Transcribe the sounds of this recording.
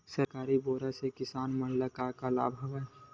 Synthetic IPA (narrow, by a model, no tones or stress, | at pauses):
sɐɾkaːɾiboːɾasekɪsaːnmənləkakala̰ːbʱɐʋa